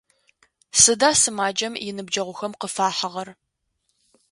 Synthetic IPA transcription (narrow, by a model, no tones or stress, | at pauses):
sɨdaːsɨmaːd͡ʒɐmjɪnɨbd͡ʒɐʁʷʊxɐmqəfaːħəʁɐr